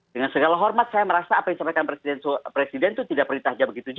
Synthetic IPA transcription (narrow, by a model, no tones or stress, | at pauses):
dəŋansəɡalaɦɔrmat̪̚sajaməɾasaːpadisampajkanpɾesidɛnsopɾesidɛnt̪ut̪idaʔpəɾint̪ahd͡ʒabəɡit̪ud͡ʒ